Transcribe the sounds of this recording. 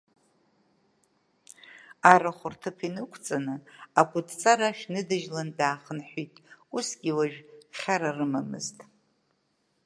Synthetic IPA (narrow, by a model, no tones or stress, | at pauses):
aɾaχʷʊrtʰɨpʰinɨkʷʰt͡sʼanɨakʷʼʊdʰt͡sʼaɾaʃnɨdɨʒlandaːχənħʷitʼusɡʲiwaʒᶣχʲaɾarɨmamɨ̰ztʼ